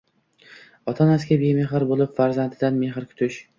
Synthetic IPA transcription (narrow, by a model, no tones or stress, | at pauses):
ɒt̪ʰanaskʲabemeɦɪɾbolɪpfaɾzant̪ʰɪd̪anme̞ɦɪɾkʰʊ̥t̪ʰɪʃ